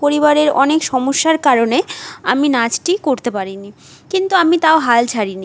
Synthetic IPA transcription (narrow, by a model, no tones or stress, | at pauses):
poɾibaɾeɾɔnekʃɔmoʃːaɾkaɾoneaminad͡ʑʈikoɾt̪epaɾini | kint̪uamit̪aoɦalt͡ɕʰaɾini